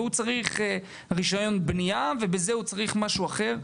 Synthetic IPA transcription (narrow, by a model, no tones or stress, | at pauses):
ut͡saʁiχ | ʁiʃajo̞nbnijavebezehut͡saʁiχmaʃuaχe̞ʁ